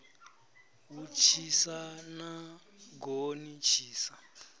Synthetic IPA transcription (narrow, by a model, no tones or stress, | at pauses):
wut͡ʃʰisana | ɡonit͡ʃʰiːsa